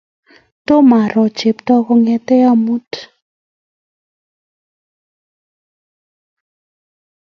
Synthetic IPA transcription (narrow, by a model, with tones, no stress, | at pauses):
t̪o˦ma˨ɾɔ˨d̥d͡ʒ̥e˨p̚t̪ɔ˧kɔ˧ŋɛ˧t̪ɛ˦a˦mu˦t̪ʰ